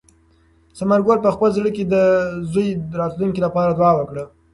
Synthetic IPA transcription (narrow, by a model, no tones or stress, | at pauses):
samaɾɡolpəxpəlzɽəked̪əzojɾɑt̪lunkilapɑɾad̪wɑwəkɽə